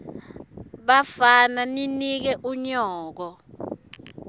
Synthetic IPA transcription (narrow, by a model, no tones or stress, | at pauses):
ɓafananinik̬ɛʔuɲɔːk̬ɔ